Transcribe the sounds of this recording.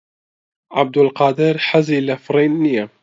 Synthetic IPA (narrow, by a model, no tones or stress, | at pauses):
ʕa̰b̚d̪alqɑːd̪ɪɾħazilafɾeːnɪja